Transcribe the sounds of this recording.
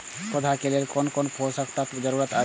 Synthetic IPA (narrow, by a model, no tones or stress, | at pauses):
kɔd̪ʱakelelkonkonpʰosəkt̪ət̪d͡ʒəɾuɾət̪a